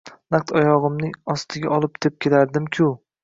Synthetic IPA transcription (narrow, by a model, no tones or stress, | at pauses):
naq̚t̪ʰɒjɒʁɨmnɪɒst̪ʰɪɡʲaʔɒlˠɪp̚t̪ʰep̚kʲʰelaɾd̪ɪmkʲʰʊ